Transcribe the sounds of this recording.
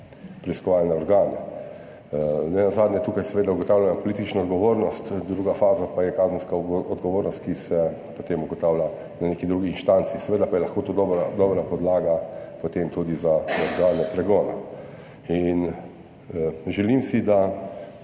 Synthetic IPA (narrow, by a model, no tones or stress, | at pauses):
pɾiiskɔʋalnaɔɾɡaːna | nɛnazaːd̪njɛt̪uːkajsɛʋeːd̪auɡɔt̪aːwlʲjanapɔlit̪it͡ʃnaɔd̪ɡɔʋoːɾnɔst̪d̪ɾuːɡafaːzapajɛkaːzən̩skaɔd̪ɡɔʋoːɾnɔst̪̚kisɛpot̪emuɡɔt̪aːwlʲa | naneːkid̪ɾuːɡiinʃt̪ant̪siːsɛʋeːd̪apajɛlɐxkoːt̪oːd̪ɔbɾad̪ɔbɾapɔd̪laːɡapɔt̪emt̪ud̪izaɔɾɡaːlnɛpɾɛɡɔːna | in | ʒɛlimsid̪a